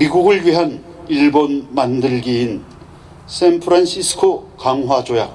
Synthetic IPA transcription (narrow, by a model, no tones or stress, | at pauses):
miɡuɡɯɭɥiɦan | iɭbonmandɯɭɡiːn | sʰenpʰɯɾanɕʰisʰɯ̥kʰokaŋɦwad͡ʑoja